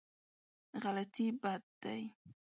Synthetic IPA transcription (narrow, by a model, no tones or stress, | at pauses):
ɢalat̪ibat̪ːa̰j